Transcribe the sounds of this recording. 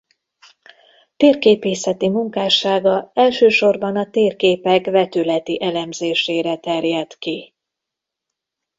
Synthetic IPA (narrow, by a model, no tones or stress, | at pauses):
t̪eːrkeːpeːsɛt̪imuŋkaːʃaːɡɒɛlʃøːʃo̞rbɒnɒt̪eːrkeːpɛkvɛt̪ylɛt̪iʔɛlɛmzeːʃeːɾɛt̪ɛrjɛt̪ki